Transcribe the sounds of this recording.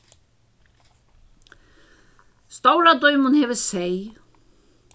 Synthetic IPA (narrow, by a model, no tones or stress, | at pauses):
st̪owɾad̪ɔʏmʊnhɛːvɪsej